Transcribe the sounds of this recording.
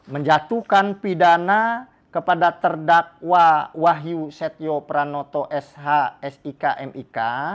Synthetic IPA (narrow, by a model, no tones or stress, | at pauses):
məɲd͡ʒat̪ukanpidana | kəpadat̪ərdak̚wawaɦjusɛt̪̚jopɾanot̪oʔɛsɦaɛsikaʔɛmika